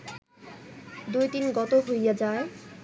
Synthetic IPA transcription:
d̪ujt̪inɡɔt̪oɦojjad͡ʑae

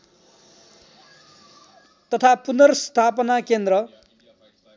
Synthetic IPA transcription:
t̪ʌt̪ʰapunʌrst̪ʰapʌnakend̪rʌ

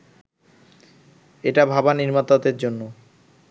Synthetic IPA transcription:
eʈabʱabaniɾmat̪ad̪eɾd͡ʑonːo

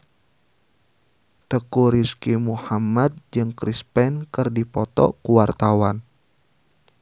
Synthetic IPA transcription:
t̪əkuɾiskimuhamad̪̚d͡ʒɨŋkɾispɛnkərdipɔt̪ɔ̰kuwart̪awan

